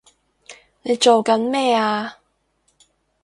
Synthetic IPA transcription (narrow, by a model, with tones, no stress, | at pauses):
ne˨˧jt͡ʃo˨wkɐ˨˥nmɛː˥˩aː˧